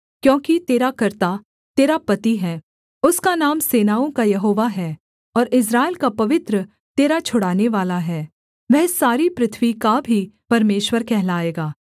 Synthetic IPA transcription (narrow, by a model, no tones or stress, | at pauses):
kjõːkit̪eːɾakɐɾt̪a | t̪eːɾapɐt̪iɦɛː | ʊskanaːmseːnaːõkajɐɦoːʋaɦɛː | ɔːɾɪs̬ɾaːelkapɐʋɪt̪ɾə | t̪eːɾat͡ʃʰʊɽaːneʋaːlaɦɛː | ʋɛɦsaːɾipɾɪt̪ʰʋikabʱipɐɾmeːʃwəɾkɛɦlaːeːɡaː